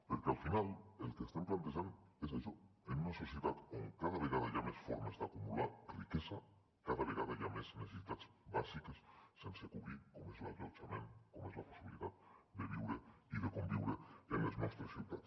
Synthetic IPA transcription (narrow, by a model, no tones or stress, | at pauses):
peɾkealfinalelkeːst̪amplant̪eʃand̪oeset͡ʃoenunaso̞sjeðat̪oŋkaðaβeɣaðaʝamesfo̰ɾmaesd̪eakumulaɾrikesa | kaðaβeɣaðaʝamesnesesit̪at̪sbasikasːensekuβɾikomoezla̰ɣot͡ʃamḛnkomoezlaposiβiliðaðd̪eβiwɾeiðekombiwɾeenlezmwest̪ɾesewt̪at̪